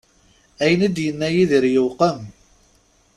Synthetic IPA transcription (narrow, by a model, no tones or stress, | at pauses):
æjənæd̪jənːæjiðəɾjəwqən